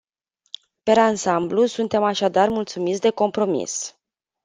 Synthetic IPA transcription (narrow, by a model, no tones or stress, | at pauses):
pe̞ɾansamblusunt̪e̞maʃad̪armult̪sumitsʲd̪e̞ko̞mpɾo̞mḭs